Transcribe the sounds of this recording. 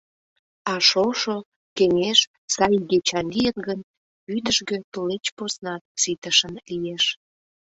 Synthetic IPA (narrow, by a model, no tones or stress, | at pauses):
ɑʃoʃo | keŋʲeʃ | sɑjɡet͡ɕɑnlijənɡən | yd̪əʃɣøt̪ulet͡ɕposnɑt̪̚sit̪əʃənlijeʃ